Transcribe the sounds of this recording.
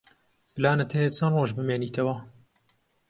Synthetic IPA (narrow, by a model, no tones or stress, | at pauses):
blaːnɐt̪ʰeet͡sʰɐnroːʒbɨmeːniːt̪ʰɐwɐ